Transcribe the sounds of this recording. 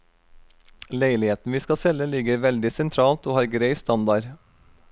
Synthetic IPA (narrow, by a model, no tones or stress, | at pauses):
leɪlɪheːt̪n̩ʋiːskɑsɛləlɪɡəɾʋɛld̪ɪsɛnt̪ʰɾɑːlt̪oːhɑːɾɡɾeɪst̪ɑnd̪ɑɾ